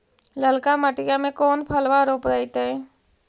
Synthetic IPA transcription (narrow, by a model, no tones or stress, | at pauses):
ləlkaməʈɪjamẽkoːnpʰəlʋaɾoːpɾɛit̪eɛː